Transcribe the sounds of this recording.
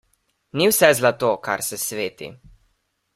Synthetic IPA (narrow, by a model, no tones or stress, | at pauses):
niwsɛzlat̪oːka̰ɾsɛsʋeːt̪ḭ